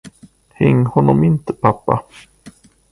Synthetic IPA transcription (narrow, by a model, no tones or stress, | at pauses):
hɛŋːhɔnːɔmɪnt̪əpʰapːa̰